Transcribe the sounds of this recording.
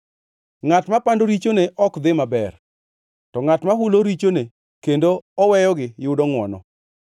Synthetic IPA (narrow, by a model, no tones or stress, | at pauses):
ŋatmapandoɾit͡ʃoneʔɔkd̪ɪmabɛr | tɔŋatmaɦuloɾit͡ʃone | kendoɔwɛjɔɡɪjʊdɔŋwɔ̰nɔ̰